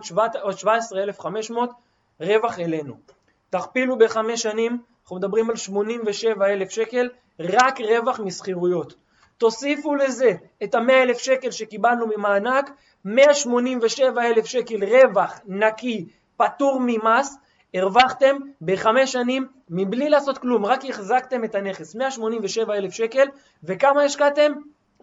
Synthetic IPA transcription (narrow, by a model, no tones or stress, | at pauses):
vot̪ʃvaesʁeelefχame̞ʃmo̞t̪ | ʁe̞vaχe̞le̞nṵ | t̪aχpilube̞χame̞ʃanimnaχnumed̪abʁimalʃmo̞nimve̞ʃe̞vae̞le̞fʃe̞ke̞l | ʁakʁe̞vaχmisχiʁujo̞t̪ː | o̞sifule̞ze̞ː | thame̞aele̞fʃe̞ke̞lʃe̞kibalnumimaːnak | me̞aʃmo̞nimveʃe̞vae̞lefʃe̞ke̞lʁe̞vaχnaki | pat̪uʁmimas | eʁvaχt̪e̞mbe̞χame̞ʃanimː | iblilaːso̞t̪klumʁakiχzakt̪e̞me̞t̪ane̞χesmeaʃmo̞nimveʃe̞vae̞lefʃeke̞l | vekamajeʃkat̪e̞m